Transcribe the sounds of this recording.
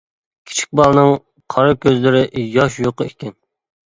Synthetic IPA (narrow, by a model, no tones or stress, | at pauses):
kʲʰi̥t͡ʃʰi̥k̚ʲbɑlˠnɨŋ | qʰɑɾɨkʲʰøzlɪɾɪʔjɑʃjoqəekʲɛn